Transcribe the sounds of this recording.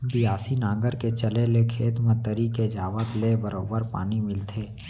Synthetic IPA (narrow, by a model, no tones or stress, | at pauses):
bɪjaːsinãːɡəɾket͡ʃəlelekʰeːt̪mə̃t̪ːəɾiked͡ʒaːʋət̪lebəɾoːbəɾpa̰ːnimɪlt̪ʰeː